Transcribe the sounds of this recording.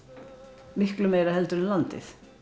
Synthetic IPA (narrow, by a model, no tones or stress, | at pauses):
mɪhklʏmejɾahɛlt̪ʏɾɛnlant̪ɪ̰θ